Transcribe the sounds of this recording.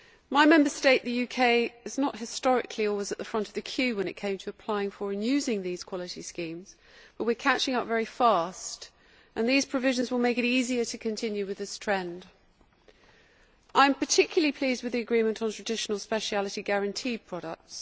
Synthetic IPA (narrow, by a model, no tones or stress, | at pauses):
maɪmɛ̃mbəsteɪʔ̪̚ðəjʉkʰeɪɪznəʔɦɪstɒɹɪ̰kʰliɔlˠwɪzəʔ̪ðəfɹʌ̃ntəvðɨkʰj̥ʉːwə̃ñɨʔ̚kʰẽɪ̃mtʰəːpʰl̥aɪɪ̃ŋfəɹɨ̃njʉːzɪ̃ŋðiz̥kʰw̥ɒlɪtiskĩːmz̥ | b̥ʌʔ̚wɪəkʰat͡ʃɪ̃ŋaʊʔvɛɹifɑˑst | ʔə̃nðiːz̥pʰɹ̥əvɪʒə̃nzwəlˠmeɪkɨɾiːziətʰəkʰɨ̃ntʰɪ̃njʉwɨðɪstʰɹ̥ɛ̃nd | ʔãɪ̃mpətʰɪkʰjl̩ˠəlipʰl̥iːzd̚wɨðiəɡɹĩmə̃ntn̩tʰɹ̥ədɪʃənəlˠspɛʃalətiɡæɹə̃ntʰiːpʰɹ̥ɒɾə̰k̚ts